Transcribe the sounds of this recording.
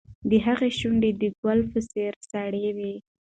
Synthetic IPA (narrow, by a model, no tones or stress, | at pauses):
d̪əɦaɣeʃuɳɖed̪əɡwalfəseɾsaɽewe